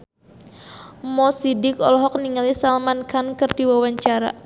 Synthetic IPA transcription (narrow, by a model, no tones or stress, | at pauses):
mɔsidɪkɔ̰lɔɦɔk̚niŋalisalmankʰankɨrt̪iwawaɲt͡ʃaɾa̰